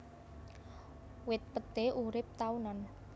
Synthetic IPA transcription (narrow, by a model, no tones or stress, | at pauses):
wɪt̪̚pət̪eʔuɾɪp̚t̪aunɔn